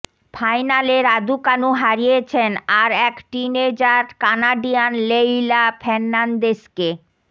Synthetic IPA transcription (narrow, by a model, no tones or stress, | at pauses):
fʰajnaleɾad̪ukanuɦaɾijet͡ɕʰenaɾɛkʈined͡ʑaɾkanaɖijanlejlafʰɛnːand̪eske